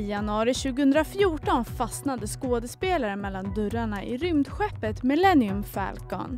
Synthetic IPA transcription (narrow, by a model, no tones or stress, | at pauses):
janɵɑːɾɪɕʉ̟ːɡəhɵnd̪ɾafjuːʈɔnfasnad̪əskoːd̪əspeːlaɾəmɛlːand̪ɵɾaɳaʔɪ̰ɾʏmd̪ɧɛpːət̪mɪlɛnːɪɵmfæ̰ːlkœ̰n